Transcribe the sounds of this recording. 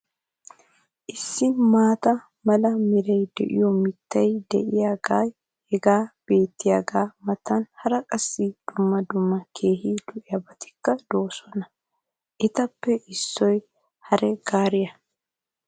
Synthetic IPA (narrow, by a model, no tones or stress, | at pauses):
ʔɪsːɪmaːt̪ɐ | mɐlɐmɪɾɐjd̪ɛ̰ʔɪ̰jɔmɪt̪ːɐjd̪ɛ̰ʔɪjaːɡaːj | hɛɡaːb̥e̞ːt̪ːɪjaɡaːmɐt̪ːɐnhɐɾɐkʼɐsːid̪̥ʊmːɐd̪ʊmːɐkʰeːhiːd̪ʊʔɪjɐbɐt̪ɪ̥kːɐd̪o̞ːsɔnɐ | ʔɪt̪ɐpːɛʔɪsːɔj | hɐɾɛɡ̥aːɾɪjɐ